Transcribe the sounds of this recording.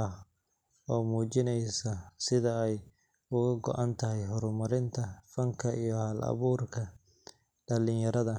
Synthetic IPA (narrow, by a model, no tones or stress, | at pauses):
ɐ | ɔːmuːt͡ʃɪnɛjsɐsɪðɐɛj | ʊɣɐɡɔ̰ʔɐnt̪ʰɐɦɛjɦɔɾmɐɾɪnt̪ʰɐfɐŋkʰɐʔijɔhɐːlʔɐ̰βuːrkʰɐ | ɖɐlɪnjɐɾɐðɐ